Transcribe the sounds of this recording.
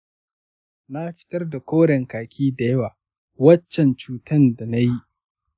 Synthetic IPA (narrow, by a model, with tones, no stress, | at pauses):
na˦ɸɪ̥˦tɐ˦rda˨kʷoː˦ɽɛ˨ŋkaː˨kʲʰiː˦da˨jɐ˦waː˨ | wɐ˦t͡ʃːɛ˨nt͡ʃuː˨˦tɐ˦nda˨na˦ji˦ʔ